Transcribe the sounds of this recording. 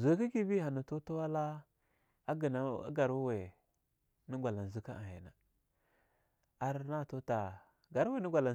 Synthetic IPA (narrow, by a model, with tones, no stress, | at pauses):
ze˨˦ki˦ki˦bi˦ɦa˨na˨to˦ta˦wa˦la˦ | a˦ɡi˨na˦a̰˦ɡa˨ɾu˦we˨ | ni˦ɡʷa˨la˨n˨zi˦ka˦a̰˨hḛ˨na˨ | a˨ɾna˦˨to˦ta˨ | ɡa˨ɾwe˦˨ni˦ɡʷa˨la˨